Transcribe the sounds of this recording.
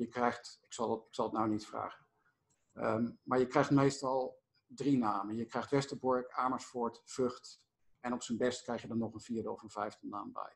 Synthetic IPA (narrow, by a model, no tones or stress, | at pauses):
jəkrɛjxtɪksɑlˠdtɪksɑlˠətnawnitfra̰ːχən | əmaːɹjəkrɛjχtmejstɑlˠ | drinaːmənjəkrɛjxχtʋɛstəbɔɹkaːməɹsfʊɹtfɵχt | ɛnɔpsənbɛstkrɛjχjədɔnːɔχənviːɹdəɔ̰fənv̥ɛjvdəna̰ːmbɛ̰j